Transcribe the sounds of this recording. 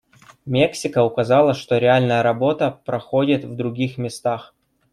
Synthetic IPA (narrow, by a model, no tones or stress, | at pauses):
mʲeksʲɪkəʊkɐzɑlˠəʂt̪o̞ɾʲɪalʲnəjəɾɐbo̞t̪əpɾɐxodʲɪt̪vd̪ɾʊɡʲixmʲɪst̪ax